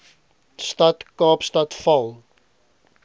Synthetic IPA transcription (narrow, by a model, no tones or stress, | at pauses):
stɐtkɑːpstɐtfɐlˠ